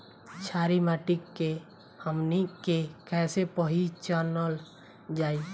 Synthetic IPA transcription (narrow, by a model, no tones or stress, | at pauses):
t͡ʃʰaɾimaʈikːe | həmnikekɛsepəɦit͡ʃəɾnəl | d͡ʒaːi